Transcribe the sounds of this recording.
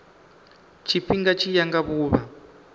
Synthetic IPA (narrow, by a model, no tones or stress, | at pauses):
t͡ʃʰiɸiŋɡat͡ʃʰijaŋɡaβuːβa